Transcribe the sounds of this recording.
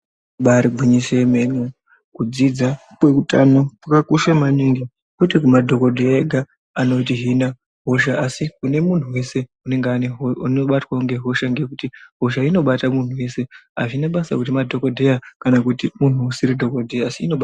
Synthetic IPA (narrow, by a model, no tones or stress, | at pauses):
ɓaɾiɡʱiɲiseme̞no | kud͡zid͡za | kwe̞kutanopakakuʃamaniŋɡi | kutikumadʱo̞ko̞dʱeeɡʱa | ano̞tiɦina | ɦo̞ʃaːsikune̞mun̤uwe̞se̞une̞ŋɡeaneunoɓatwauŋɡe̞ɦo̞ʃaŋɡe̞kutiɦo̞ʃ̬aino̞ɓatamun̤uwe̞se̞a̰ʐinaɓasakutimadʱo̞kodʱejakanakutimun̤uːsiɾidʱo̞kodʱejaːsiino̞ɓa